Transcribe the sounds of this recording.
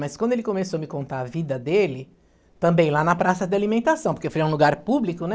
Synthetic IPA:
mɐskwɐ̃d̪ʊelɪkõmesoɐmɪkõnt̪aɐvid̪ɐd̪elɪ | t̪ɐ̃mbẽj̃lanɐpɾasɐd̪ɪalimẽnt̪asɐ̃w̃poɾkefojɐũluɡaɾpublikʊnɛ

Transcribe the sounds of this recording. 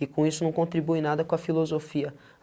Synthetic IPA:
ɪkõisʊnɐ̃w̃kõnt̪ɾibuɪnad̪ɐkõɐfilozofiɐ

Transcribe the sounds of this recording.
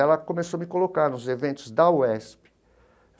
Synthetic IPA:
ɛlɐkõmesomɪkolokaɾnʊzevẽnt̪ʊzd̪ɐwɛspɪ̥

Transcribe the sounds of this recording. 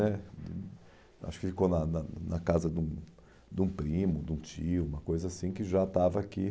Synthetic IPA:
ɛ̰ | ʔa̰ʃʊ̥kɪfikonɐnɐnɐkazɐd̪ũ | d̪ũpɾĩmʊd̪ũt͡ʃiʊũmɐkojzɐasĩkɪʒat̪avɐːki

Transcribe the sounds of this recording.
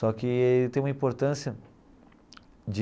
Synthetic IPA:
sɔkɪet̪ẽj̃ũmɐĩpoɾt̪ɐ̃siɐ | d͡ʒɪ

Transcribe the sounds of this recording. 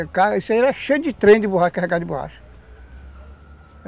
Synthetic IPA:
kaisaiɾɛʃejd͡ʒɪt̪ɾẽj̃d̪ɪboɦaʃɐkaɦɛkad͡ʒɪboha̰ʃɐ̥

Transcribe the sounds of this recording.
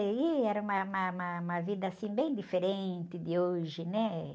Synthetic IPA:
iɛɾɐũmɐũmɐũmɐũmɐvid̪ɐasĩbẽj̃d̪ifeɾẽt̪ɪd̪ɪoʒɪnɛ

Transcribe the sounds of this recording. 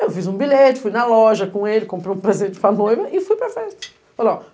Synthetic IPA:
ewfizũbiʎet͡ʃɪ̥fujnɐlɔʒɐkõelɪkõmpɾejũpɾezẽnt͡ʃɪ̥pɐnojvɐʔɪfujpɾeɾfejt̪ʊ̥ | ola

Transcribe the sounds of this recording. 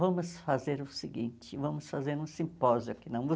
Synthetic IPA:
vɐ̃mʊsfazeɾʊsɪɡĩnt͡ʃɪvɐ̃mʊsfazeɾũsĩpɔzjʊkɪnɐ̃w̃vo

